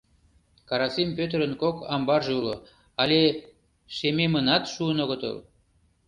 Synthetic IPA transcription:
kɑɾɑsimpʲøt̪ɾə̆nkokɑmbɑrʒeulo̰ | ɑlʲe | ʃememənɑt̪ʃuənoɣət̪ə̰l

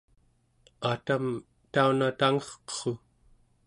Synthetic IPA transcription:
at̪am | t̪aunat̪aŋʌχqə̥χo

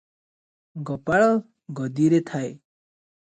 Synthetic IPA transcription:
ɡɔpaɭɔ | ɡʌd̪iɾet̪ʰae

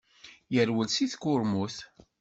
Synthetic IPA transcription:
jəɾwəlsiθkʊɾmuθ

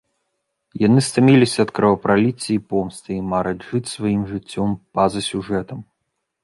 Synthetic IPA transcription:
janɨst̪amʲilʲisʲɐːt̪kɾɐvɐpɾalʲit͡sʲːɐipɔmst̪ɨimaɾɐʐɨt͡sʲsvajimʐɨt͡sʲːɔmpazɐsʲuʐɛt̪ɐm

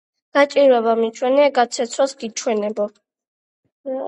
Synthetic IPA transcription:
ɡ̥at͡ʃʼiɾwɛβamit͡ʃʰwɛnɛaɡat̪sʰɛt̪sʰwasɡit͡ʃʰwɛnɛbɔ

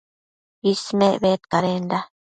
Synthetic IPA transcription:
ismeʔβet̪kaɾend̪a

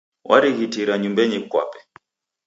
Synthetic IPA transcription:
wʔa̰ɾiɣitiɾaɲumbɛɲikwa̰pɛ̥

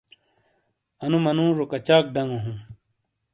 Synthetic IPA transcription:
ɐnumɐnũːʐokɐt͡ɕaːk̚ɖɐŋoɦũ

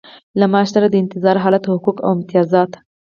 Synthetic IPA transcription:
lamɑʃsaɾad̪əɪnt̪ɪzɑɾɦɑlat̪hʊkuka̰wɪmt̪ijɑzɑt̪

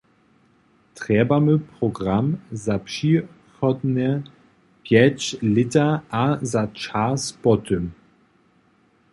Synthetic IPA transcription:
tʁ̥ɛbaməpʁɔɡʁamzapʂi | xɔdnə | pjɛt͡ɕlɪtɐʔazat͡ʃaspɔtʰəm

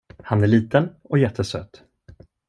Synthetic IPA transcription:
hanæɭiːt̪ənɔjɛt̪ʰːəsø̰ːt̪ː

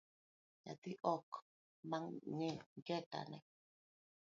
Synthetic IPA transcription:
ɲa̰t̪iʔɔk | maŋɲiŋɡɛta̰nɛ̰

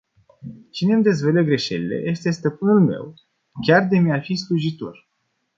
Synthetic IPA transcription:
t͡ʃine̞md̪e̞zvəleɡɾe̞ʃe̞̰lile̞̰je̞st̪e̞st̪əpɨnulme̞̰w | kʲard̪e̞mjafisluʒit̪o̞̰r

